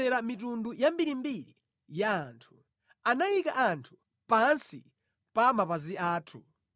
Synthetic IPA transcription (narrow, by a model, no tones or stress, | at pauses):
ɛɾamitundujambiɾimbiɾḭ | jaːntʰu̥ | anajikaʔantʰu̥ | pansi | pamapaziaːtʰṵ